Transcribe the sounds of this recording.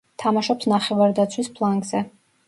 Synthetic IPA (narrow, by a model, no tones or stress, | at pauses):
t̪ʰamaʃɔpsnaχɛvaɾd̪at̪sʰwispʰlˠaŋɡzɛ